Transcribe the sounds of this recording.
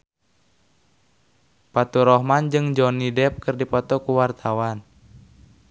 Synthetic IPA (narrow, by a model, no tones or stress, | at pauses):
pat̪uɾɔɦmand͡ʒɨŋd͡ʒɔnidɛp̚kɨrdipɔt̪ɔkuwart̪ʰawan